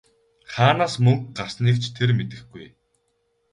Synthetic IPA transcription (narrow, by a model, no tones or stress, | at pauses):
χaːnaːsmɵŋkɢarsniːkt͡ɕʰt̪ʰermet̪ɘ̆xɡuj